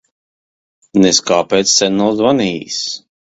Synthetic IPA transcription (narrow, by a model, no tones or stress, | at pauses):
nɛskaːpɛːt̪sːɛnɔzvaniːs